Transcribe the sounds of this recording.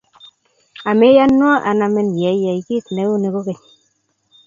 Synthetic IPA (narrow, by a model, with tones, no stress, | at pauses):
a˨me˦ja˦nwɔ˦ʔa̰˨na˨mɛ˦n˨jɛ˨˦jɛ˨i˨ki˦tnɛ˨˦u˦ne˨ko˦kɛ˨ɲ